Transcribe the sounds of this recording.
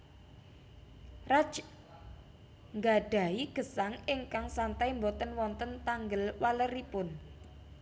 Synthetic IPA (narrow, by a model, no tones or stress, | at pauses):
rḁd͡ʒ | ŋɡaɖ̥a̤iɡ̥ə̤saŋɪŋkaŋsant̪aimbɔt̪ənwɔnt̪ənt̪aŋɡəlwaləɾipʊn